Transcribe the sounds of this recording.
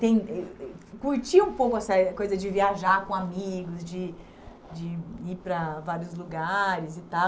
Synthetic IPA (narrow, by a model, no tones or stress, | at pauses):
t̪ẽj̃ɛkuɾt͡ʃiũpowkʊɛsɐkojzɐd͡ʒɪviaʒakõamiɡʊzd͡ʒɪ | d͡ʒɪipɾɐvaɾijʊzluɡaɾɪzɪt̪a